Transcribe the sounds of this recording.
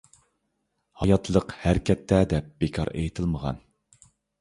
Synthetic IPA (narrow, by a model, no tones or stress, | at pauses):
hɑjɑt̪ʰlˠəqhæɾkʲʰɛt̪ːɛd̪ɛp̚b̥ekʰɑ̰ɾḛjt̪ʰɨlˠməʁɑ̰n